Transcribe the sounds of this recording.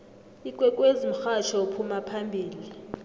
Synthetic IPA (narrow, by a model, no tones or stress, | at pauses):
ikʼwɛkʼwezim̩xat͡ʃʰɔupʰumapʰambʱiːli